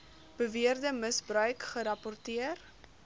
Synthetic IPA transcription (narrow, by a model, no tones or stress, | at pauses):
b̥əviərdəməsbrœɥkχəɾɐpɔrtiər